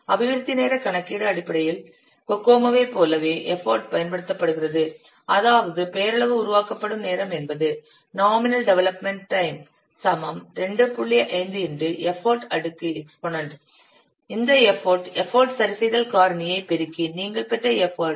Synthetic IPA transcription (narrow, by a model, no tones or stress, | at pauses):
ɐʋɪɣɐɾɯt̪ːɪneːɾɐkɐɳɐkːɪɽɐːɽɪpːɐɽɐjɪl | kɔkːoːmɐʋeːpːoːlɐʋeːʔɛfoːɾʈpɐjɐnpɐɽɯt̪ːɐpːɐɽɯɣɪrɐðɯ | ɐðaːʋɐðɯpeːɾɐɭɐʋɯʊɾʊʋaːkɐpːɐɽɯmneːɾɐmɛnbɐðɯ | naːmɪnɐlɖɛʋɛlɐpmɛɳʈʈːɐɪm | sɐmɐmɾɛɳɖɯpːʊɭːɪjɐʔɐɪnd̪ɯɪndɯʔɛfoːɾʈɐɽɯkːɯɛksponɐɳʈ | ɪnd̪ɐɛfoːɾʈɛfoːɾʈsɐɾɪsɐɪðɐlkaːɾɐɳɪjɐɪpɛɾɯkːiniːŋɡɐɭpɛʈrɐɛfoːɾ